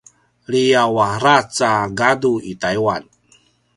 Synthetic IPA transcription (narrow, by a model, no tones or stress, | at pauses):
lijawaɾat͡saɡaduitaiwan